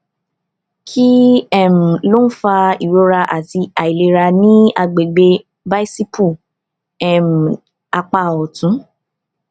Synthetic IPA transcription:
kʰi˦ɛ˦˨m̩˨lo˦n̩˦fa˧i˨wo˨˦ɾa˧ʔa˨ti˧a˨i˨le˨˧ɾa˧nĩ˦a˧ɡ͡be˨ɡ͡be˧ | ba˦i˦si˦pu˦˨ | ɛ˦˨m̩˨ | a˧k͡pa˧˨ɔ˨tũ˨˦

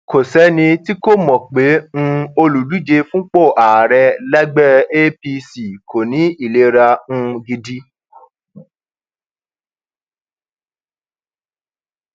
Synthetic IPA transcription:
ko˨sɛ˨˦nĩ˧ti˦ko˦˨mɔ̃˨k͡pe˨˦ŋ̩̃˦o˧lu˨du˨˦d͡ʒe˧fũ˦k͡po˦˨ʔa˨ɾɛ˧lɛ˦ɡ͡bɛ˦˨e˦pi˧si˨kʰo˨nĩ˨˦i˦˨le˨˦ɾa˧ũ˧ɡi˧di˦

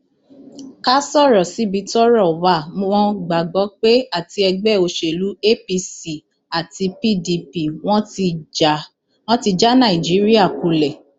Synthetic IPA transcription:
ka˦sɔ˦˨ɾɔ˨si˨˦bi˨˧˦tɔ˦ɾɔ˦˨wa˦˨˦wɔ̃˦ɡ͡ba˨ɡ͡bɔ˨˦k͡pe˦a˦˨ti˧ɛ˧ɡ͡bɛ˦˨o˧ʃe˨lu˨˦e˦˨pi˧si˨ | a˨ti˧pi˦˨di˧pi˨w̃ɔ̃˦˧ | w̃ɔ̃˦ti˧d͡ʒa˦nã˦˨i˨d͡ʒi˨˦ɾi˦a˦˨ku˧˨lɛ˨

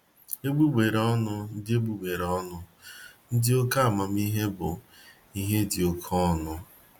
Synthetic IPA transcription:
e˦ɡ͡bu˦ɡ͡be˨ɾɔ˦nʊ˦n̩˦dɪ˦e˦ɡ͡bu˦ɡ͡be˨ɾɔ˦nʊ˦n̩˦dɪ˦o˦ka˦a˨ma˨m̩˦i˦ɦe˦bʊ̰˨ | i˦ɦe˦dɪ˨o˦kʰɔ˦nʊ˦

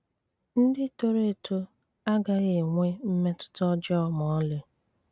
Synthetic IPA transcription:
n̩˦dɪ˦to˦ɾe˦˨tu˦ | a˦ɡa˦ɣe˨ŋʷe˦m̩˦me˦tʊ̥˦tɔ˦d͡ʒɔ˦mɔ˨˦le˦

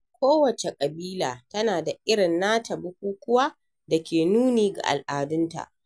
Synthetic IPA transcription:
kʷoː˦wɐ˨t͡ʃe˨kʼɐ˨biː˦laː˨tɐ˦naː˨da˨ʔɪ˦ɽɪ˨nːaː˦tʰɐ˨bʊ˦kʷuː˦kʷʊ˦waː˦ | da˨kʲeː˨nuː˦niː˨ɡa̰˨ʔa̰˨lʔaː˨dʊ˦nta̰˨ʔ

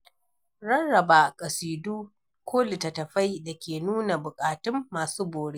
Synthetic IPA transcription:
ɽɐ˦nːɐ˨baː˨kʼɐ˨siː˨duː˦ | kʷʰoː˦li˨tɐ˨tɐ˨ɸa˦jda˨kʲeː˨nuː˦na˨bʊ˨kʼaː˨tʊ˦mːaː˨suː˦boː˨ɽeː˦

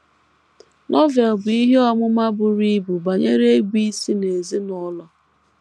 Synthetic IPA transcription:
nʔɔ˦ve˨lbʊ˨i˦ɦe˦ɔ˦mʊ˦ma˦bʊ˦ɾi˦bu˨ba˨ɲe˦ɾe˦ɡʷi˦si˦ne˨zi˦nɔ˦lɔ˦

